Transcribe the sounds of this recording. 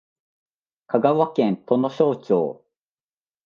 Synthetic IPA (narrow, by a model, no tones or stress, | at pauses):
kʰaɡaβakẽnt̪o̞no̞ɕo̞ːt͡ɕo̰ː